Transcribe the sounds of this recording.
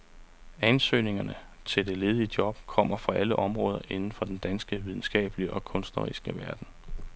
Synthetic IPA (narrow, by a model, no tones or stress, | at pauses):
ænsø̰ːne̝ŋɐnə | t͡sʰe̝ld̥e̝le̝ːð̞ˠiəd̥jɒ̽b̥kʰɒ̽m̰ɐfʁɑ̈ʔæləʔɒ̽mʁɔ̽ːð̞ˠɐʔe̝nn̩fɒ̽d̥end̥ænsɡ̥əʋið̞ˠn̩sɡ̥ɛ̰ːb̥liʔɒ̽kʰɔ̽nsd̥nɐʁḭsɡ̥əʋæɐd̥n̩